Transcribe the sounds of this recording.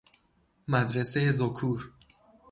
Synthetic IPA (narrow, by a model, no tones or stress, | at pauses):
mæd̪ɾe̞sejezokʰuːɾ